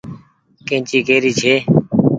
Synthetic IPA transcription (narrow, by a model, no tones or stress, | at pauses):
kẽːt͡ʃiːkeːɾiːt͡ʃʰeː